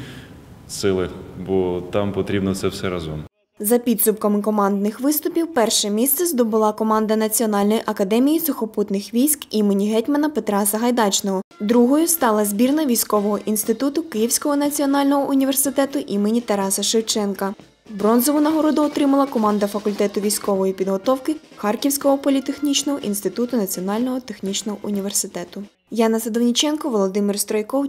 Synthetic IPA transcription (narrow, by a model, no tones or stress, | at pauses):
sɪlˠɪbɔt̪ɑmpɔt̪ɾʲibnɔt̪sɛwsɛɾɐzɔ̰m | zɐpʲid̪sʊpkɐmɪkɔmɑnd̪nɪxʋɪst̪ʊpʲiwpɛrʃɛmʲist̪sɛzd̪ɔbʊlˠɑkɔmɑnd̪ɐnɐt͡sʲiɔnɑlʲnɔjʔɐkɐd̪ɛmʲijisʊxɔput̪nɪxʋʲijsʲkimenʲiɦɛtʲmɐnɐpet̪ɾɑsɐɦɐjd̪ɑt͡ʃnɔɦɔd̪ɾuɦɔjʊst̪ɑlˠɐzbʲirnɐʋʲijsʲkɔʋɔɦɔʔinst̪ɪt̪ut̪ʊkɪjiwsʲkɔɦɔnɐt͡sʲiɔnɑlʲnɔɦɔʔʊnʲiʋersɪt̪ɛt̪ʊʔimenʲit̪ɐɾɑsɐʃɪwt͡ʃɛnkɐ | bɾɔnzɔʋʊnɐɦɔɾɔd̪ʊɔt̪ɾɪmɐlˠɐkɔmɑnd̪ɐfɐkʊlʲt̪ɛt̪ʊʋʲijsʲkɔʋɔjipʲid̪ɦɔt̪ɔwkɪxɑrkʲiwsʲkɔɦɔpɔlʲit̪exnʲit͡ʃnɔɦɔʔinst̪ɪt̪ut̪ʊnɐt͡sʲiɔnɑlʲnɔɦɔt̪exnʲit͡ʃnɔɦɔʔʊnʲiʋe̞rsɪt̪ɛt̪ʊ | jɑnɐsɐd̪ɔwnʲit͡ʃɛnkɔʋɔlˠɔd̪ɪmɪrst̪ɾɔjkɔw